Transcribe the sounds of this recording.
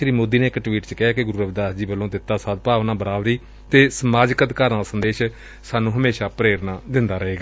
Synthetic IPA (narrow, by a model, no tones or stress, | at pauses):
ɾiːmoːd̪iːnẽːɪkʈʋiːʈt͡ʃkɪɦaːkɪɡʊɾuːɾəbd̪aːsd͡ʒiːbəlːõːd̪ɪt̪ːaːsad̪̚paːʋnaːbəɾaːʋɾiː | t̪eːsəmaːd͡ʒkət̪kaːɾnãːsənd̪eːʃ | saːnũːɦəmeːʃaːpɾeːɾnãːd̪ɪnd̪aːɾəɦeːɡaː